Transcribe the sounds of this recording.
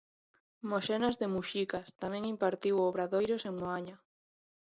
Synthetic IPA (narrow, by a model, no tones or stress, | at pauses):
moʃenazðemuʃikast̪amẽŋimpaɾt̪iwoβɾaðojɾoseŋːoaɲa